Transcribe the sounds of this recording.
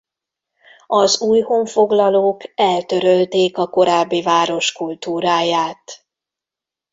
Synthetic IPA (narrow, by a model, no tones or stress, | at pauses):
ɒzuːjhoːɱfo̞ɡlɒloːkɛlt̪ø̞ɾølt̪eːkɒko̞ɾaːbːivaːɾo̞ʃkult̪uːɾaːjaːt̪